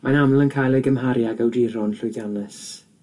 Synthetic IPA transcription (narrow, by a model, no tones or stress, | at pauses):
manamlˠənkʰaːjlˠejɡəmɦaɾjaɡəwdiɾɔnɬʊjðjanɛs